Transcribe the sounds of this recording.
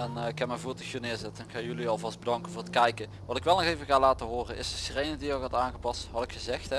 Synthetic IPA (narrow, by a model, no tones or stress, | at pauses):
ɛnɪkɛmɛvuːtəxinɪːɹzɛtəɛnxaːjyliɑlˠvɑsd̚bədɑŋkənvʊːrətkɛjkə | ʋɑtɪkʋɛlˠnɔxejvəɣaːlaːtəɦʊːrənʔɪsdəsrejnəŋdijəwɑtaːnɣəpɑstɦɑtɪkxəzɛxtɛ